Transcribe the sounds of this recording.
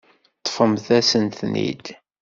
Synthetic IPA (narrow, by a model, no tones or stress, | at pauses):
t̪ˤːfəmθæsənθnḭd̪